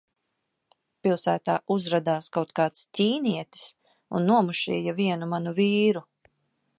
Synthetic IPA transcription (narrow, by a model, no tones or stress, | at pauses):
pilˠsæːt̪aːʔuzɾad̪aːskawt̪kaːt̪stʲiːniɛt̪i̥s | ṵnːuɔmuʃḭːjaviɛnumanuviːɾu